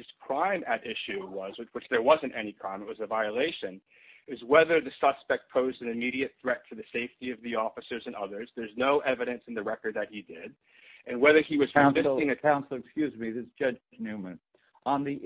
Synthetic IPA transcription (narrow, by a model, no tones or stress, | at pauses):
ɨz̥kʰɹ̥ãɪ̃mɨɾɪʃʉwʌzwɨwɨt͡ʃðə˞wʌzɨ̃ntɛnikʰɹ̥ãɪ̃mɨt̚wʌzɨvaɪɨleɪʃɨ̃n | ɪzwɛðə˞ðɨsʌ̥spɛk̚t̚pʰoʊzdɨ̃nɨmiɾiɨt̪̚θɹɛtʰɨðɨseɪftiʌvðiɔfɨsə˞zɨ̃nʌðə˞zðə˞znoʊʔɛvɨɾɨ̃nsn̩ðɨɹɛkə˞d̪̚ðɨt̚hidɪd | ɨ̃nwɛðə˞iwʌz̥ãnɪ̃ɪ̃ŋɨkʰãʊ̃nsl̩ˠɨkskjʉzmiðɪsd̥ʒ̥ʌd͡ʒd͡ʒnʉmɨ̃n | ʔə̃nði